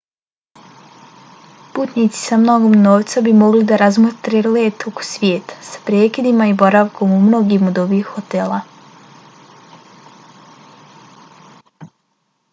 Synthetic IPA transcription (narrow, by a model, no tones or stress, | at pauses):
puːt̪nit̪si̥samno̞ɡo̞mnoːʋt̪sabimo̞ɡlid̪aɾazmot̪ɾeleːt̪oko̥sʋjeːt̪ḁsḁpɾeːkid̪imaibo̞ɾaʋko̞mumno̞ɡiːmod̪oʋiːxhot̪eːla